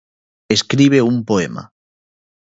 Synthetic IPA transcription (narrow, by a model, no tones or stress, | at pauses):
eskɾiβ̞eumpoema̰